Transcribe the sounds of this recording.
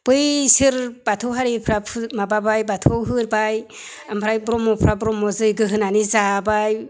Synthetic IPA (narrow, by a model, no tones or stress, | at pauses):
pɯjsɯɾb̥atʰɯwɦaɾipʰɾapʰɯmababajbatʰɔwɦɯɾbaj | ampʰɾajbɾɔmɔpʰɾabɾɔmɔzɯjɡɯɦɯnanizabaj